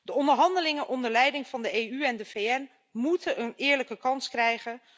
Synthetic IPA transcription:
d̥əɔndəɹɦɑndəlɪŋəʔɔndəɹlɛjdɪŋv̥ɑndəejyɛndəvejɛn | mutəʔənɪːɹləkəkɑnskrɛjχə

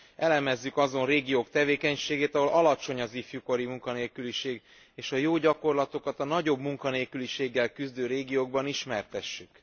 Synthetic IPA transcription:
ɛlɛmɛzːykɒzo̞nreːɡijoːkt̪ɛveːkɛɲʃeːɡeːt̪ɒɦo̞lʔɒlɒt͡ʃo̞ɲɒzifjuko̞ɾimuŋkɒneːlkyliʃeːɡ | eːʃɒjoːɟɒko̞rlɒt̪o̞kɒt̪ɒnɒɟo̞bmuŋkɒneːlkyliʃeːɡːɛlkyzd̪øːɾeːɡijoːɡbɒniʃmɛrt̪ɛʃːyk

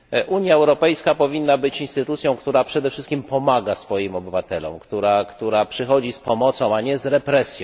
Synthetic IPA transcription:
ʔuɲjaɛwɾɔpɛjskapɔvʲinːabɘt͡ɕinst̪ɘt̪ut̪sʲjɔ̃w̃kt̪uɾapʂɛd̪ɛfʂɘst̪kʲimpɔmaɡasfɔjimɔbɘvat̪ɛlɔ̰̃mkt̪uɾakt̪uɾapʂɘxɔd͡ʑispɔmɔt̪sɔ̃w̃aɲɛzɾɛpɾɛsʲjɔ̃w̃

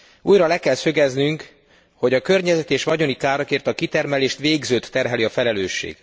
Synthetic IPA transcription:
uːjrɒlɛkɛlsøɡɛznyŋk | ho̞ɟɒkø̞rɲɛzɛt̪eːʃʋɒɟo̞nikaːɾɒkeːrt̪ɒkit̪ɛrmɛleːʃt̪ʋeːɡzøːt̪ːɛrɦɛliɒfɛlɛløːʃːḛːɡ̥

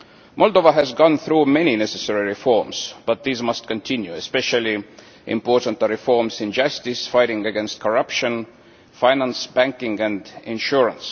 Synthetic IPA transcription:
mʔɔlˠdovəɦɨzɡɔ̃nθɹumɛninɛsɨsɛɹiɹifɔɹmz̥b̥ʌt̪̚ðizmʌst̚kə̃ntʰɪ̃njuɛspɛʃəlˠi | ʔɪ̰̃mpɔɹtə̃n̩təɹɪfɔɹmzɪ̃nd͡ʒʌstɪsfaɪɾɪ̃ŋɨɡɛ̃nst̚kʰəɹʌpʃə̃n | faɪnæ̃nsb̥æ̃ŋkɪ̃ŋæ̃ndɪ̃nʃuɹə̃ns

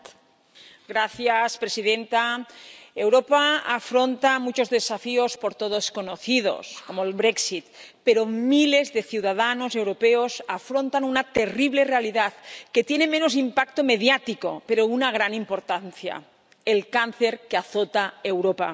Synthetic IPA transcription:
ɡɾaθjaspɾesiðent̪a | ewɾopaafɾont̪amut͡ʃo̞zðe̞safiospoɾt̪oðoskonoθið̞o̞̰sko̞moelβɾeksit̪peɾomile̞zðe̞θjiuwðað̞anose̞wɾopeosafɾo̞nt̪anunat̪e̞riβle̞realiðaðket̪je̞nemẽnos̬impak̚t̪ome̞ð̞jat̪iko̞̰peɾounaɣ̞ɾanimpo̞ɾt̪anθja̰ | elkanθe̞ɾkeaθot̪aewɾopa̰

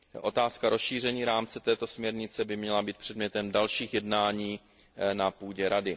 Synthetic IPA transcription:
ʔo̞t̪aːskaɾosʃiːr̝ɛɲiːɾaːmt͡sɛt̪ɛːt̪o̞smɲɛɾɲɪt͡sɛbɪmɲɛlabiːt̪̚pr̝̥ɛdmɲɛt̪ɛmdalʃiːxjɛdnaːɲiː | napuːɟɛɾadɪ

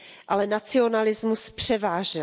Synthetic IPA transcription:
ʔalɛnat͡sɪo̞nalɪzmuspr̝̥ɛvaːʒɛ

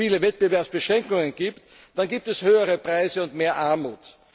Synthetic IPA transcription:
iːləvɛt̚b̥əvɛɐpsb̥əʃʁɛŋkʊŋənɡ̥iːpt | d̥anɡiːp̚tɛshøːəʁəpʁ̥aɪzəʊntmeːɐʔaɐmṵːt

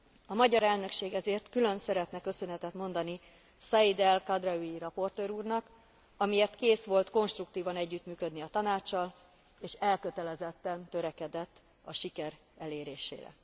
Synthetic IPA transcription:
ɒmɒɟɒɾɛlnø̞kʃeːɡɛzeːrt̪kylø̞nsɛɾɛt̪nɛkø̞sønɛt̪ɛt̪mo̞nd̪ɒni | sɒid̪ɛlkɒd̪rɒyjiɾɒpo̞rt̪øːɾuːrnɒk | ɒmieːrt̪keːsʋo̞lt̪ko̞nʃt̪rukt̪iːvɒnɛɟːyt̪myːkød̪niɒt̪ɒnaːt͡ʃːɒl | eːʃɛlkø̞t̪ɛlɛzɛt̪ːɛnt̪ø̞ɾɛkɛd̪ɛt̪ː | ɒʃikɛɾ | ɛleːɾeːʃḛːɾɛ̰

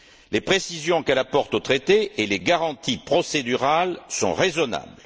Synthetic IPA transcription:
lepχesizjɔ̃kɛlapɔʁt̪ot̪χet̪eeleɡaʁɑ̃t̪ipχɔsed̪yʁalsɔ̰̃ʁezɔna̰bl

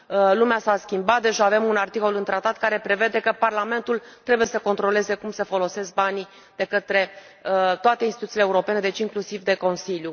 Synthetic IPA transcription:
lumeasaskʲimbat̪̚d̪e̞ʒaave̞munart̪iko̞lɨnt̪ɾat̪at̪̚kaɾe̞pɾe̞ve̞d̪e̞kəparlame̞nt̪ult̪ɾe̞buje̞səko̞nt̪ɾo̞le̞ze̞kumsəfo̞lo̞se̞sk̚bani | d̪̥e̞kət̪ɾe̞ | ət̪oat̪e̞insit̪uileuɾo̞pe̞ne̞d̪e̞t͡ʃiŋklusivd̪e̞ko̞nsilju

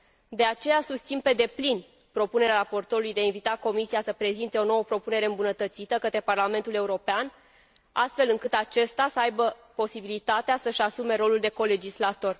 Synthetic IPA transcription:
d̪e̞at͡ʃe̞jasust̪sinpe̞d̪e̞plin | pɾo̞pune̞ɾeaɾapo̞rt̪o̞ɾulujd̪eainvit̪ako̞misijasəpɾe̞zint̪e̞o̞no̞wəpɾo̞pune̞ɾe̞ɨmbunət̪ət̪sit̪əkət̪ɾe̞parlame̞nt̪ule̞uɾo̞pean | a̰st̪fe̞lɨŋkɨt̪at͡ʃe̞st̪asəajbəpo̞sibilit̪at̪easəʃasume̞ɾo̞luld̪e̞ko̞le̞d͡ʒislat̪o̞r

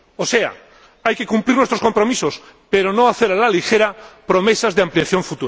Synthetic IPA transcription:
osea̰ | ajke̞kumpliɾnwest̪ɾosko̞mpɾo̞misos | peɾonoaθeɾalalixeɾapɾome̞sazðeamplijaθjoɱfut̪uɾa

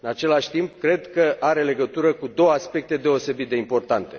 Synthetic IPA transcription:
ɨnat͡ʃe̞laʃʲt̪impkɾe̞d̪kəʔaɾe̞le̞ɡət̪uɾəkud̪o̞wəaspe̞k̚t̪e̞d̪e̞o̞se̞bit̪̚d̪e̞impo̞rt̪ant̪e̞

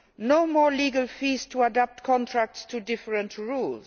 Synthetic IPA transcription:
noʊmɔɹliɡəlfiz̥tʰuədap̚tkʰɔ̃ntʰɹæk̚tstʰudɪfəɹə̃ntɹulz

